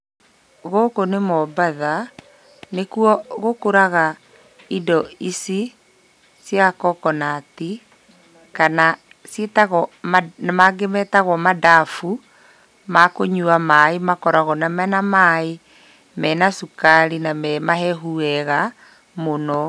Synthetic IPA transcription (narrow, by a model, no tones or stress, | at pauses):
ɣokonemɔbaða | nekuɔɣokoɾaɣa | idɔisi | sjakɔkɔnati | kana | sjetaɣɔmnamaɡemɛtaɣɔmadafu | makoɲuamaemakɔɾaɣɔnamɛnamae | mɛnasukaɾinamɛmaɦɛɦuɛɣa | monɔ